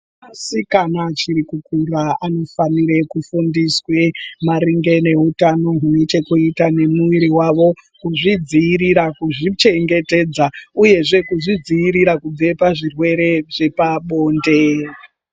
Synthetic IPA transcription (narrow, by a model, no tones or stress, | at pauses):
asikanat͡ʃiɾikukuraano̞faniɾe̞kufundiswemaɾiŋɡe̞ne̞ɦutano̞ɦune̞t͡ʃe̞kuitane̞muʋiɾiwaʋo̞ | kuʐid͡ziiɾiɾakuʐit͡ʃe̞ŋɡe̞te̞ːd͡zauje̞ʐe̞kuʐid͡ziiɾiɾakub͡ve̞paʐirwe̞ɾe̞ʐe̞paɓo̞ːnde̞